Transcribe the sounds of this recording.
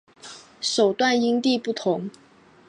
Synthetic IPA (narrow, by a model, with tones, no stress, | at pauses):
ʂo˨˩ʊt̪wa˥˩ni˥ŋt̪i˥˧pu˥˩t̪ʰʊ˧˦ŋ